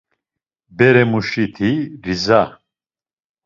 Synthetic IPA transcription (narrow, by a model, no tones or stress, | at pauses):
bɛɾɛmuʃit̪ʰiɾiza